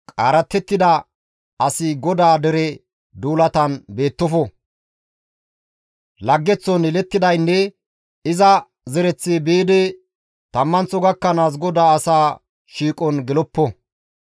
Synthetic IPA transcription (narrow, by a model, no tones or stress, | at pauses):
kʼaːɾɐt̪ːɛt̪ːɪd̪ɐ | ɐsɪɡɔd̪aːd̪ɛɾɛ | d̪uːlɐt̪ɐnbe̞ːt̪ːɔfɔ | lɐɡːɛt͡sːɔnɛlɛt̪ːɪd̪ɐjnːɛ | ɪzɐ | zɛɾɛt͡sːebeːd̪ɛ | t̪ɐmːɐnt͡sːɔɡɐkːɐnaːs̬ɡɔd̪aːɐsaː | ʃiːkʼɔnɡɛlɔpːɔ